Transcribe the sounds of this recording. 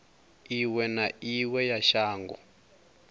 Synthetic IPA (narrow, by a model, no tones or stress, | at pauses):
iwɛnaiwɛjaʃaːŋɡɔ̰